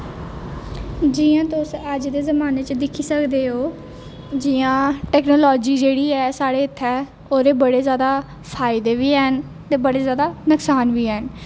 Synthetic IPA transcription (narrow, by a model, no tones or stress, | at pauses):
d͡ʒiːãːt̪ʊsəd͡ʒd̪eːzəmaːneːt͡ʃd̪ɪkʰiːsəkd̪eːɦoː | d͡ʒijãːʈɛːknoːlɔːd͡ʒiːd͡ʒeːɽiːɛːsaːɽeːɪt̪ʰːɛː | oːɾeːbəɽeːzjaːd̪aː | pʰaːɪd̪eːʋiːɦɛn | t̪eːbəɽeːzjaːd̪aːnʊksaːnʋiːɦɛːn